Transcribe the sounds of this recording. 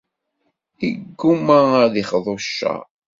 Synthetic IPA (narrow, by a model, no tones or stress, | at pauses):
iɡːumaðiχðˤoʃːa̰